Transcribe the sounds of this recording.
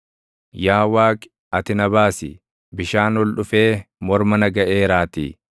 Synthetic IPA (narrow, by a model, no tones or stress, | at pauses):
jaːwaːkʼ | ɐt̪ɪnɐβaːsɪ̰ | bɪʃaːnwɔlɗʊfeːmɔɾmɐnɐɡɐʔeːɾaːt̪ḭː